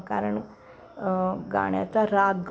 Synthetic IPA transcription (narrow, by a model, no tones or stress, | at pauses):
kaɾəɳ | ɡa̰ɽ̃ja̰t͡saɾaɡ